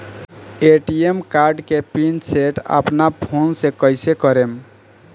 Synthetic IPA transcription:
eʈiemkaɾɖkepinseʈə̰pnapʰonsẽkəjsekəɾem

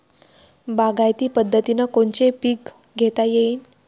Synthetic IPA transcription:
baɡajt̪iːpəd̪ʱːət̪inəkoɳt͡ɕepiːk | ɡʱet̪ajeiːn

